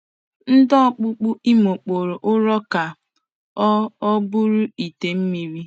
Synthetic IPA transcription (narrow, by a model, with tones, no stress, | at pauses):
n̩˦dɔ˦k͡pʊ˦k͡pʊ˦i˦mo˨k͡po˨ɾo˨ʔʊ˦ɾɔ˦ka˨ | ɔ˦ɔ˦bʊ˦ɾʊ˦i˨te˨m̩˦mi˨ɾi˦